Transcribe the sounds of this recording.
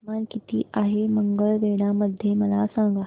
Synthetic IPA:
mankit̪ʰiːʔaɦeməŋɡəɭʋeɽ̃aməd̪ʱːjeməlasãŋɡa

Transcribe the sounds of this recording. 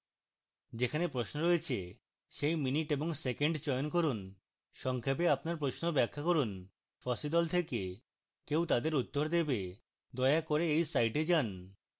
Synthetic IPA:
d͡ʑekʰanepɾosnoɾoet͡ɕʰe | ʃejminiʈeboŋsekeɳɖt͡ɕɔjonk̬oɾun | ʃɔŋkʰap̬eapnaɾpɾoʃnobɛkʰːakoɾun | fɔsid̪ɔlt̪ʰeke | kewt̪ad̪eɾut̪ːoɾd̪ebe | d̪ɔeakoɾeejsajʈed͡ʑan

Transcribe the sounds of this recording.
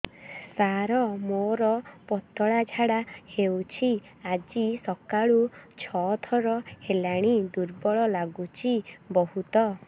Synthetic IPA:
saɾɔmoɾɔpɔt̪ɔɭad͡ʒʱaɽahewt͡ʃʰi | ad͡ʒisɔkaɭut͡ʃʰɔt̪ʰɔɾɔhelaɽ̃id̪uɾbɔɭɔlaɡut͡ʃʰibɔhut̪ɔ

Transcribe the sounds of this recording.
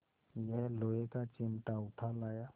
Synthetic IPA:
jəɦloːekat͡ʃɪmʈaʊʈʰalaːja

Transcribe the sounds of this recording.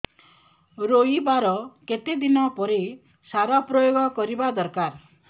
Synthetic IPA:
ɾojibaɾɔket̪ed̪inɔpɔɾe | saɾɔpɾɔjoɡɔkɔɾibad̪ɔɾkaɾ

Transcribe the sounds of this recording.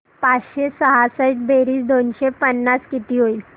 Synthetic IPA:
pat͡sɕesəɦasəʈ̚beɾiːsd̪onɕepənːaskit̪iːɦoil

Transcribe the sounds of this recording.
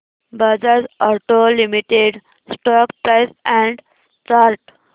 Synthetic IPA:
bəd͡zaɾsɔɾʈolimiʈeɖ | sʈɔkpɾajsɛ̃ɳɖ | t͡ʃaɾʈ

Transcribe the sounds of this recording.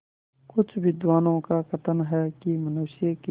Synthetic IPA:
kʊt͡ʃʰbʱid̪waːnõːkakɐt̪ənɦɛkimʊnoːʃiek

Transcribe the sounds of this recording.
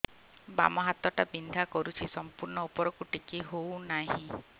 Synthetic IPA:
ba̰mɔɦat̪ɔʈabind̪ʱakɔɾut͡ʃʰisɔmpuɾɳɔupɔɾɔkuʈikiɦownaɦĩ

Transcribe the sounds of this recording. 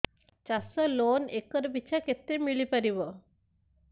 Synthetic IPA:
t͡ʃasɔlonekːɔɾbit͡ɕʰaket̪ːɾemilipaɾiβo

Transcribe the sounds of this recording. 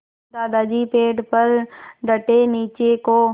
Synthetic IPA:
d̪aːd̪aːd͡ʒiːpeːɖpəɾɖəʈeniːt͡ʃekoː

